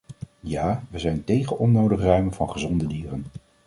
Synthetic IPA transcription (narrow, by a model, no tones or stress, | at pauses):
jaːʋəzɛjntejχəɔnowdəχrœɥmənvɑ̰nχəzɔndədiːrən